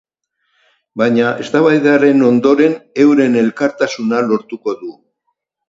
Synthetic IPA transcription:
bajɲaʔe̞st̪aβajðeare̞no̞nd̪o̞ɾe̞ne̞wɾe̞ne̞lkaɾt̪asunalo̞ɾt̪uko̞ðu

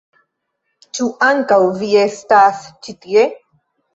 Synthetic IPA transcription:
t͡ʃuʔaŋkawviestast͡ʃit̪ie

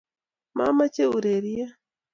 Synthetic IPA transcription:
mamaceuɾeɾija

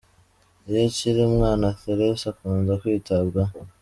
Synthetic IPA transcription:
ijociɾimŋaːnaθeɾesakunzakwiːtabɡa

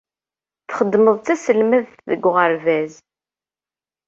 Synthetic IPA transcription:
θχəd̪ːməðˤt͡s̪æsəlmæð | ðə̰ɡʷːʁəɾvæz

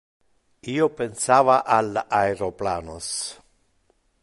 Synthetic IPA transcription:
iːopensaːvaʔalaeɾopla̰ːnos

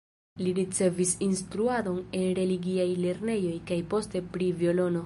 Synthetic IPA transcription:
liɾit͡se̞visinstɾuado̞ne̞nɾe̞liɡiajle̞ɾne̞jo̞jkajpo̞ste̞pɾivio̞lo̞no̞

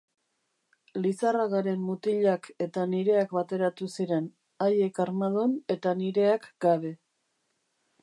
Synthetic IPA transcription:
lisaraɣaɾe̞mːut̪iʎake̞t̪aniɾe̞akbat̪e̞ɾat̪usiɾe̞n | aje̞kaɾmað̞one̞t̪aniɾe̞akɡaβe̞

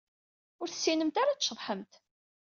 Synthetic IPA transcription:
ʊɾθə̥sːinəmt̪aɾat͡sʃəðˤħəmt̪

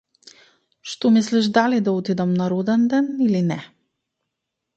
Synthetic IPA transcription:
ʃt̪omisliʒd̪alid̪aot̪id̪ɛmnaɾod̪ɛnd̪ɛnilinɛ

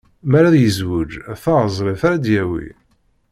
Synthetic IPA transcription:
mæɾæðjəzwəd͡ʒθæəzˤɾˤefaɾæd̪jæwḭ

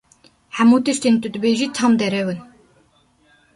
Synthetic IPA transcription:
ħæmuːt̪ɨʃt̪int̪ʼud̪ɨbeʒit̪ʰɑmd̪ɛɾɛwɨn

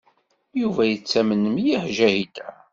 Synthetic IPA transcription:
juvæjət͡sːæmənəmjiħʒæhid̪æ

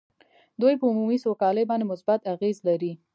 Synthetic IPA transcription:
d̪ujpəumumisokɑləjbɑnd̪emʊsbat̪aɣezlaɾi

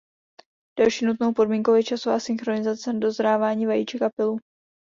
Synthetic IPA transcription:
d̥alʃiːnut̪no̞wpo̞dmiːŋkowjɛt͡ʃasovaːsɪnxɾo̞nɪzat͡sɛnado̞zɾaːvaːɲiːvajḭːt͡ʃɛkapɪlu

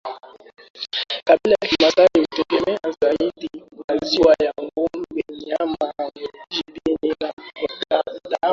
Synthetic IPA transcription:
kabilajakimataleotekɛmɛazaidimaziwajaŋɡom̩beɲamaniʒibini | da

